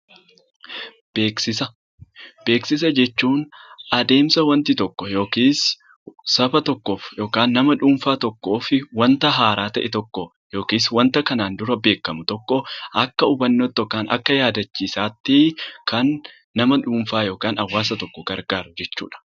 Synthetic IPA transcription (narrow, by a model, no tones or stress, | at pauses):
b̥eːksɪsɐ | b̥e̞ːksɪs̬ɐd͡ʒɛt͡ʃːuːnʔɐd̪e̞ːmsɐwɐnt̪ɪt̪ɔkːɔjo̞ːkiːs | sɐfɐt̪ɔkːo̞ːfjo̞ːkaːnːɐmɐᶑuːmfaːt̪ɔkːo̞ːfɪwɐnt̪ɐɦaːɾaːt̪ɐʔɛt̪ɔkːɔ | jo̞ːkiːswɐnt̪ɐkɐnaːnd̪ʊɾɐbe̞ːkːɐmʊt̪ɔkːɔɐkːɐʊbɐnːoːt̪ːɔkːaːnʔɐ̰kːɐjaːd̪ɐt͡ʃːiːsaːt̪ːɪkɐnː | ɐmɐᶑuːmfaːjo̞ːkaːnɐwːaːsɐt̪ɔkːɔɡɐɾɡaːɾɐd͡ʒɛt͡ʃːṵːᶑɐ̥